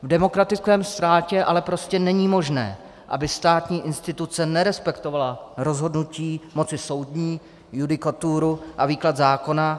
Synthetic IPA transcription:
vdɛmo̞kɾat̪ɪt͡skɛːmst̪ɾaːcɛʔalɛpɾo̞scɛnɛɲiːmo̞ʒnɛ̰ː | ʔa̰bɪst̪aːt̪ɲiːʔɪnst̪ɪt̪ut͡sɛnɛɾɛspɛkt̪o̞valaɾo̞zɦo̞dnuciːmo̞t͡sɪso̞wdɲiː | judɪkat̪uɾuʔaviːklat̪zaːko̞na

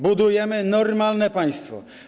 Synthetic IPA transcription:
bud̪ujɛmɘnɔɾmalnɛpaj̃st̪fɔ̰

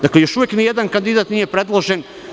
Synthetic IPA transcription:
d̪aklejo̞ʃujeknijed̪ankand̪id̪aːt̪nije̞pɾed̪lˠoʒen

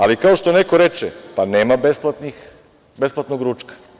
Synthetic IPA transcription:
alikaoʃt̪o̞neko̞ɾet͡ʃepaneːmabesplˠat̪nix | besplˠat̪noɡɾuːt͡ʃkḁ

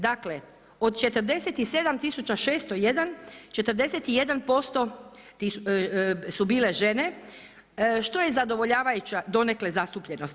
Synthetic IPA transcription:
d̪akle̞ | o̞d̪t͡ʃe̞t̪əɾd̪e̞set̪ise̞d̪amt̪isut͡ʃaʃe̞ːst̪ojed̪ant͡ʃe̞t̪əɾd̪e̞set̪ije̞d̪anpo̞st̪o̞ | t̪i | subiːle̞ʒe̞ne̞ | ʃt̪o̞je̞zad̪o̞ʋo̞ʎaːʋajut͡ɕad̪o̞ne̞kle̞zast̪upʎe̞nos

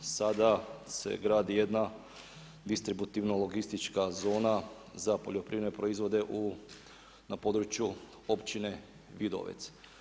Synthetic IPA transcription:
sad̪ase̞̰ɡɾaːd̪ije̞d̪na | d̪ist̪ɾibut̪iʋnolo̞ɡist̪it͡ʃkazo̞ːna | zapo̞ʎo̞pɾiːʋne̞pɾoizʋo̞d̪e̞ʔu | napo̞d̪ɾut͡ʃju | opt͡ʃine̞ | ʋid̪o̰ʋḛt̪s

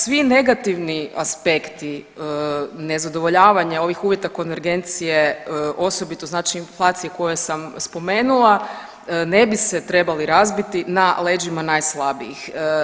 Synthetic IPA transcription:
sʋine̞ɡat̪iʋniaspe̞kt̪i | ne̞zad̪oʋo̞ʎaːʋaɲao̞ʋixuːʋjet̪ako̞nʋeɾɡe̞nt̪sijeʔo̞so̞bit̪o̞znaːt͡ʃiːnflˠaːt̪sijeko̞jesamspo̞me̞ːnulˠa | ne̞biset̪ɾe̞baliɾazbit̪inale̞ːd͡ʒimanajslˠabḭḭx

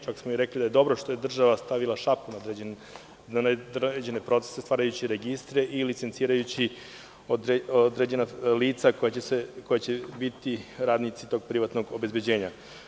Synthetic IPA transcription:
t͡ʃaksmomiɾeklid̪aje̞d̪o̞bɾoʃt̪ojed̪r̩ʒaʋast̪aʋilˠaʃapunad̪e | nand̪ed͡ʑe̞ne̞pɾo̞t̪se̥sest̪ʋaːɾajut͡ɕiɾeɡist̪ɾeʔilit̪se̞nt̪siːɾajut͡ɕi | oed̪ɾe̞d͡ʑe̞naliːt̪sakojaesekojat͡ɕebit̪iɾaːd̪nit̪sit̪o̞ɡ̚pɾiʋat̪no̞ɡo̞be̞zbed͡ʑe̞ːɲa

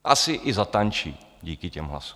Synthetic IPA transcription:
ʔasɪʔɪzat̪ant͡ʃḭ | ɟiːkɪcɛmɦla̰su̥

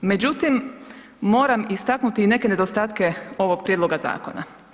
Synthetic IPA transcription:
me̞d͡ʑut̪imː | o̞ːɾamist̪aknut̪iːne̞ke̞ne̞d̪ost̪aːt̪ke̞o̞ʋo̞ɡ̚pɾjed̪lo̞ɡaza̰ːko̞̰na̰

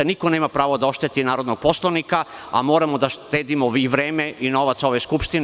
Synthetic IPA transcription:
nikoneːmapɾaːʋod̪ao̞ʃt̪et̪inaːɾod̪noɡ̚poslˠanikaa̰moːɾamod̪aʃt̪eːd̪imoiʋɾeːmeʔino̞ʋat̪so̞ʋeskupʃt̪in

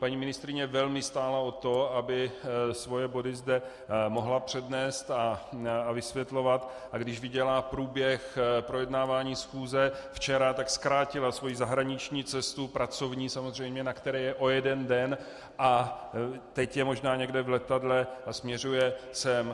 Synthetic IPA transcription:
paɲiːmɪnɪst̪ɾɪɲɛvɛlmɪst̪aːlao̞t̪o̞abɪsvo̞jɛbo̞dɪzdɛ | mo̞ɦlapr̝̥ɛdnɛːst̪aavɪsvjɛt̪lo̞vat̪ | ʔaɡdɪʒvɪɟɛlapɾuːbjɛxpɾo̞jɛdnaːvaːɲiːsxuːzɛft͡ʃɛɾat̪akskɾaːcɪlasvo̞jizaɦɾaɲɪt͡ʃɲiːt͡sɛst̪upɾat͡so̞vɲiːsamozr̝ɛjmɲɛnakt̪ɛɾɛːjɛʔo̞jɛdɛndɛn | ʔa | t̪ɛcjɛmo̞ʒnaːɲɛɡdɛvlɛt̪adlɛasmɲɛrujɛsɛm

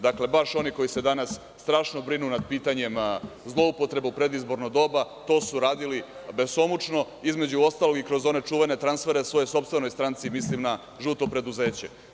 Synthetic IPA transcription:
d̪akle̞baʃo̞niko̞jise̞d̪anasːt̪ɾaːʃnobɾinunad̪̚piːt̪aɲe̞mzlˠo̞upot̪ɾe̞bupɾe̞d̪izbo̞ɾnoɡd̪o̞ːbat̪o̞ːsuɾaːd̪ili | be̞so̞mut͡ʃno̞ | izme̞d͡ʑuo̞st̪alˠo̞ɡikɾo̞zo̞ne̞t͡ʂuːʋe̞ne̞t̪ɾansfe̞ɾe̞sʋo̞jojso̞pst̪ʋe̞nojst̪ɾant̪simislimna | ʒut̪o̞pɾe̞d̪uze̞ːt͡ɕe

